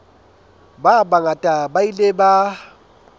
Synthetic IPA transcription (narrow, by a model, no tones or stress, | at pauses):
babaŋatʼabaileba